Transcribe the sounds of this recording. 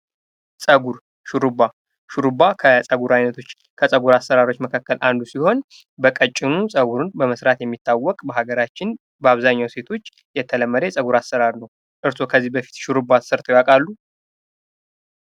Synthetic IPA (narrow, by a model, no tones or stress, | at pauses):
sʼəɡuɾ | ʃuɾɨba | ʃuɾɨbakʰəsʼəɡuɾajnət̪ʰo̞t͡ʃː | kʰəsʼəɡuɾasːəɾaɾo̞t͡ʃːməkʰakːəlʔand̪usiho̞n | bəkʼət͡ʃʼːɪnusʼəɡuɾɨnbəməsɾat̪jɛmːit̪ʰːawːɔkʼbəɦaɡəɾat͡ʃːɪn | bəaβzaɲːawse̞t̪ʰo̞t͡ʃː | jɛt̪ʰːələmːəɾesʼəɡuɾasːəɾaɾnəw | ʔɨɾso̞kʰəzːihbəfi̥t̪ʃuɾɨbasɨɾt̪ʰʼjwakʼalːu